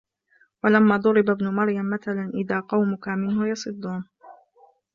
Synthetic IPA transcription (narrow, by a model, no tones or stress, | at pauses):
walamːaːd̪ˤʊɾɪbabnʊmɑɾjamːaθalanʔɪðaːqɑwmʊkamɪnhʊjɑsˤɨd̪ˤːuːn